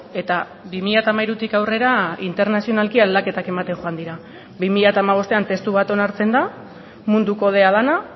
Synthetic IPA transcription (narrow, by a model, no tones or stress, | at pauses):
e̞t̪a | bimiʎat̪amajɾut̪ikawre̞ɾaint̪e̞ɾnasio̞nalkiald̪ake̞t̪ake̞mat̪e̞ŋxo̞and̪iɾa | bimiʎat̪aːmaβ̞o̞st̪e̞ant̪e̞st̪uβat̪o̞naɾt͡se̞nd̪a | mund̪uko̞ð̞e̞að̞ana